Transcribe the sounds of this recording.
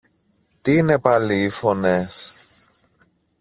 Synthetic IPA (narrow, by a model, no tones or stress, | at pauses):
t̪iine̞pɐliːfo̞nes